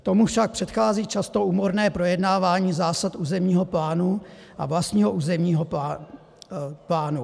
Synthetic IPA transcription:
t̪o̞mufʃak̚pr̝̥ɛt̪xaːziːt͡ʃast̪o̞uːmoɾnɛːpɾo̞jɛdnaːvaːɲiːzaːsat̪ʔuːzɛmɲiːɦo̞plaːnu | ʔa̰vlast̪ɲiːɦoʔuːzɛmɲiːɦopː | plaːnu

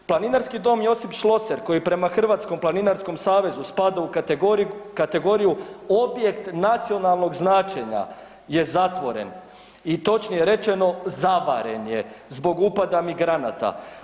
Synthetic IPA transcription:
plˠaninaɾskid̪o̞ːmjo̞sipʃlˠo̞se̞ɾko̞jipɾe̞maxr̩ʋaːt̪sko̞mplˠaninaɾsko̞msaːʋe̞zuspad̪au | kat̪e̞ɡo̞ɾijuobje̞kt̪nat̪sio̞nalˠno̞ɡznat͡ʃe̞ɲa̰ | je̞zat̪ʋo̞ɾe̞̰n | it̪o̞t͡ʃnijeɾe̞t͡ʃe̞no̞zaba̰ɾe̞̰nje̞zbo̞ɡupad̪amiɡɾana̰t̪a̰

